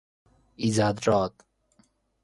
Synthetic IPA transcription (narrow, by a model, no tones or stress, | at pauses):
izaːd̪ɾɔːt̪